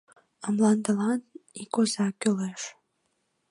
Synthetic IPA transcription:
əmlɑnd̪ə̆lɑnikozɑkyleʃ

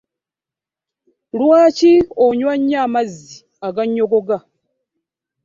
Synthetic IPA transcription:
lwaːcioɲwaɲːamazːi | aɡaɲːoɡoɡa

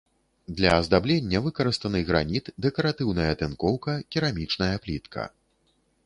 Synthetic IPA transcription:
d̪lʲɐːzd̪ablʲenʲːɐvɨkɐɾɨst̪ɐnɨɣɾanʲit̪d̪ɛkɐɾat̪ɨwnɐjɐt̪ɛnkɔwkɐkʲiɾamʲit͡ʂnɐjɐplʲit̪kʰɐ̰

